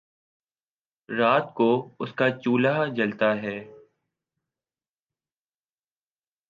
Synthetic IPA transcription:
ɾaːt̪koʊskat͡ʃuːlad͡ʒɐlt̪aɦɛː

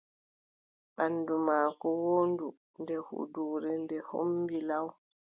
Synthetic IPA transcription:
ɓanːdumaːkɔwondu | ndɛhṵduːɾɛndɛho̰mbilaw

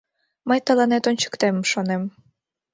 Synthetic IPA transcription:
məjt̪ɑlˠɑnet̪onʲt͡ɕə̥̆kt̪emʃonem

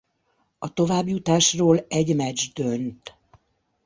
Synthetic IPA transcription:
ɒt̪o̞vaːbjut̪aːʃroːlɛɟmɛd͡ʒd̪ønt̪

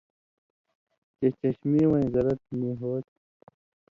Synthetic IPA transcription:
t͡ɕet͡ɕɐɕmiwʌ̃ĩzɐɾɐt̪miːɦoːt̪̚

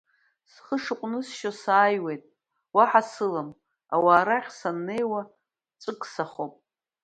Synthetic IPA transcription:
sχəʂɨqʷʼnɨsʃosaːjwe̞jtʼ | waħasɨlam | a̰waːɾaχʲsanːe̞jwa | t͡sʼɨkʼsaχopʼ

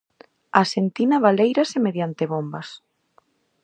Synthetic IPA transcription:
asent̪inaβalejɾasɪmeðjant̪ɪβombɐs

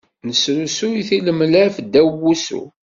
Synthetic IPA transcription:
nəsɾusuiθiləmlæfd̪ːæwːusṵ

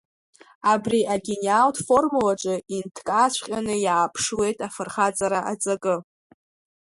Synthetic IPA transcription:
abriʔaɡʲenaltʰfo̞rmulaʈ͡ʂʼɨintʰkʼasʷʰχʲʼanɨjaːpʰʂle̞jtʼafɨrχad͡zʼaɾaʔad͡zʼakʼɨ

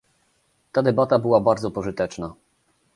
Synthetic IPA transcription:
t̪ad̪ɛbat̪abɘwabaɾd̪zɔpɔʐɘt̪ɛt͡ʂna

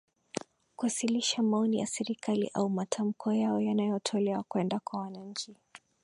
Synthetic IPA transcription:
kuhasiliʃamaɔnija̰sɛɾikalḭʔaumatʰam̩kʰɔjaɔjanajɔtʰɔlɛwakwɛndakwawanaɲ̩t͡ʃi

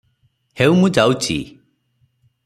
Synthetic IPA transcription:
heumũd͡ʒawt͡ʃʰḭ

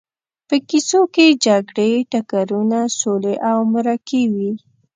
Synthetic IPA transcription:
pəkisoked͡ʒaɡɽeʈakaɾunasoleʔawmaɾakewi

